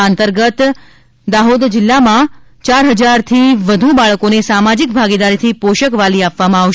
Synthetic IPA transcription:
ant̪əɾɡət̪ | d̪aɦod̪d͡ʒɪlːamã | t͡ʃaɾɦəd͡ʒaɾt̪ʰiʋəd̪ʱubaɭəkonesamad͡ʒik̚bʱaɡid̪aɾit̪ʰipoʃəkʋaliapʋamãaʋʃ

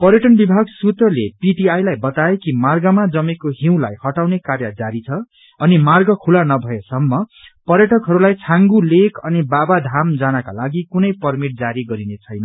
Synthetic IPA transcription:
pʌrjʌʈʌnbibʱaɡsut̪rʌlepiʈiajlajbʌt̪aekimarɡʌmad͡zʌmekoɦiw̃lajhʌʈawnekarjʌd͡zaɾit͡sʰʌ | ʌnimarɡʌkʰulanʌbʱʌesʌmːʌpʌɾjʌʈʌkɦʌɾulajt͡sʰãŋɡulekʰʌnibabad̪ʱamd͡zanaka̰laɡikunʌjpʌrmiʈ̚d͡zaɾiɡʌɾinet͡sʰʌjnʌ

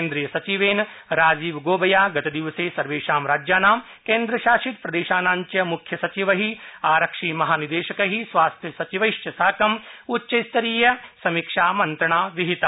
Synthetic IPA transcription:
nd̪ɾiːjɐsɐt͡ʃiʋeːn | ɾaːd͡ʒiːʋɡoːbɐjaːɡɐt̪ɐd̪iʋɐseːsɐɾʋeːʃaːmɾaːd͡ʒjaːnaːm | keːnd̪ɾɐʃaːʃit̪pɾɐd̪eːʃaːnaːɲt͡ʃjɐmukʰjɐsɐt͡ʃiʋɐɦiaːɾɐkʂiːmɐɦaːnid̪eːʃɐkɐɦisʋaːst̪ʰjɐsɐt͡ʃiʋɐjʃt͡ʃɐsaːkɐmutːʃɐjst̪ɐɾiːjɐsɐmikʂaːmɐnt̪ɾɐɳaːʋiɦit̪ɐ

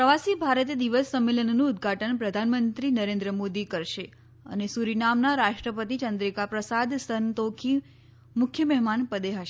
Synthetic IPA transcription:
ppɾəʋasibʱaɾət̪̬ed̪iʋəsːəmːelənːũːd̪̚ɡʱaʈənpɾəd̪ʱanmənt̪ɾinəɾẽnd̪ɾəmod̪ikəɾʃe | ə̰nesuɾinamnaɾaʃʈɾəpət̪it͡ʃənd̪ɾikapɾəsad̪sənt̪okʰi | mʊkʰjəmɛɦmanpəd̪eɦəʃe

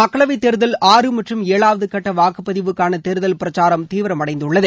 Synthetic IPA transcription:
ɐkːɐɭɐʋɐɪt̪ːɛɾɯðɐlaːrɯmɐʈrɯmeːɭaːʋɐðɯkɐʈːɐʋaːkɯpːɐðɪʋɯkːaːnɐt̪ɛɾɯðɐlpɪɾɐt͡ʃːaːɾɐmt̪iːʋɪɾɐmɐɽɐɪnd̪ɯɭːɐðɯ

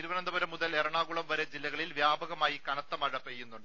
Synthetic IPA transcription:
iɾuʋɐnɐnd̪ɐbɐɾɐmːuðɐleɾɐɳaːɣuɭɐmʋɐɾed͡ʑilːɐɣɐɭilʋjaːbɐɣɐmaːjikɐnɐt̪ːɐmɐɻɐpejːunːuɳɖɨ

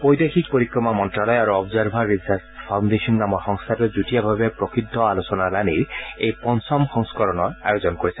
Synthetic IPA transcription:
pojd̪akʰik̚poɾikɾɔmamɔntɾalɔjaɾuɔbzaɾbʱaɾisaɾspʰawndesɔnːamɔxɔŋst̪ʰatɔd͡ʒuʈijabʱabepɾɔkid̪ʱːɔalosɔnalaniɾejpɔnsɔmxɔŋskɔɾɔnɔɾa̰jozɔnkoɾisʰɛ

